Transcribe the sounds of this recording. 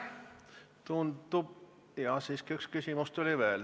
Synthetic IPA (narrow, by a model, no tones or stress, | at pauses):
t̪und̪̥ub | jɑsiːskiykskysʲimust̪ulʲiʋeːl